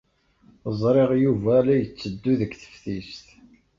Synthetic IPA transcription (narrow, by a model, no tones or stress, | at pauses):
zˤɾˤeʁjuvælæjət͡sːəd̪ːuðəɡθə̥fθist̪